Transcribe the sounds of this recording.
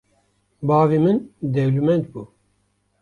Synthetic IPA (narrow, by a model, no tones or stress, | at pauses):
bɑːvimɨnd̪ɛwlumɛnt̪̚buː